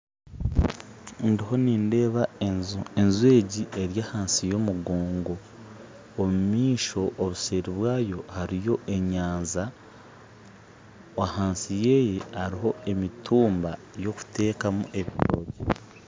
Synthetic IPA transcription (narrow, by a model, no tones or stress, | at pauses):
ndiho̞niːnde̞ːβaezenzwe̞ːɟie̞ɾjaːhaːnsijo̞muɡoːŋɡo̞ː | mumiːʃo̞ʔːβuse̞ːɾiβwaːjo̞haɾijo̞ʔe̞ɲaːnza | wahaːnsije̞ːje̞haɾiɦo̞e̞mitʰuːmba | jo̞ku̥te̞ːkamṵʔe̞βiɾo̞ːɟe